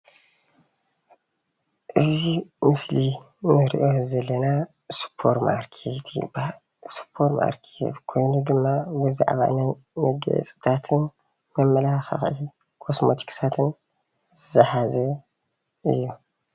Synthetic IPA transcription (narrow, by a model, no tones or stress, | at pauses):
ʔɨzimɨsli | nɨɾḭʔozɐlːɐna | spʰːoɾma̰ɾkʰet̪ʰ | spʰːo̞ɾma̰ɾkʰḛt̪kʰo̞jnud̪ɨmːabɨza̰ʕβa̰naj | nɨɡɐ̰t͡sʼɨ̥t̪ʰat̪ʰɨn | mɐmːɐlaxa̰xʔi | kʰosmot̪ʰi̥kʰsat̪ʰɨn | zɨzɐħazɐ | ʔɨ̰jːu